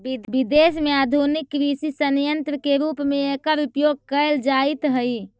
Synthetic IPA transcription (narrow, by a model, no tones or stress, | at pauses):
bibid̪esmead̪ʱunikːɾisisənjənt̪ɾəkeɾupmeekəɾupjoɡ̚kəeld͡ʒait̪ɦəj